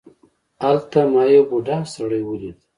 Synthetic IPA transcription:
alt̪amɑjebuɖɑsaɽəjwəlid̪

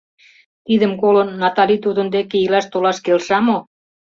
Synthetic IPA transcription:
t̪id̪ə̆mkolənːɑt̪ɑlit̪ud̪ə̆nd̪ekeilɑʃt̪olɑʃkelʃɑmo

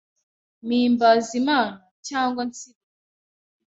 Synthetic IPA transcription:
mimbazima | t͡ʃaŋɡɔnt͡sipɔ

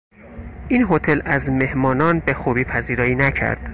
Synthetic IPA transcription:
ʔiːnɦo̞t̪ʰe̞læzme̞hmɒːnɒːnbe̞xuːbiːpʰæziːɾɒːiːnæcʰæ̰ɾd̪̥

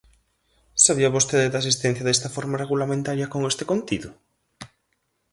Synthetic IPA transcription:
saβiɐβost̪eðɪd̪asist̪ẽn̟θjɐðɛst̪ɐfɔɾmareɣulamẽnt̪aɾjɐkoŋest̪ekont̪iðʊ

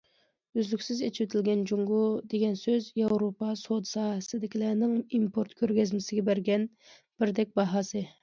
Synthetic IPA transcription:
yzlykʲsɪzet͡ʃʰiwt̪ʰɪlɡʲɛnd͡ʒuŋɡud̪eɡʲɛnsøzjɑwɾopɑsod̪sɑːɦsɪd̪ɪkʲilænɪŋimpʰoɾt̪kʲʰøɾɡʲɛzmɪsɪɡʲɛbæɾɡʲɛn | b̥ɪɾd̪ɛk̚ʲbɑɦɑːsɨ

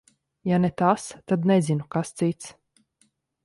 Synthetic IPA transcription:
janɛt̪ast̪ad̪nɛzinukast̪sit̪s

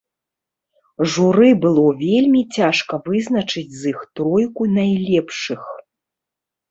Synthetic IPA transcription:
ʐuɾɨbɨlˠɔvʲelʲmʲit͡sʲaʂkɐvɨznɐt͡ʂɨd͡zʲzixt̪ɾɔjkunajlʲɛpʂɨx

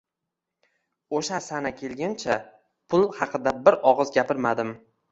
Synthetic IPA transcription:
oʃasanakʲʰe̞lɡʲant͡ʃʰa | pʰʊlˠhɑqɨd̪abɪɾɒʁɨzɡʲapɪɾmad̪ɪm

